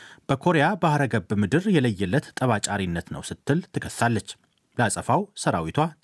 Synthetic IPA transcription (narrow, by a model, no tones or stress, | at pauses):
b̥əkʰo̞ɾejabahɾəɡəbmɨd̪ɨɾjɛləjːɛlːət̪t̪ʼəβat͡ʃʼaɾinːət̪nə̰wsɨt̪ʰːɨlt̪ʰɨkʰəst̪alːət͡ʃː | ləasʼəfawsəɾawit̪ʰwa